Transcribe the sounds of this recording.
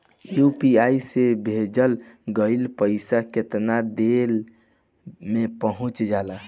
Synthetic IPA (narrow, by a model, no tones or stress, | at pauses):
jupiaisebʱed͡ʒəlɡəilpəɪsaket̪nad̪el | mepəɦũt͡ʃd͡ʒala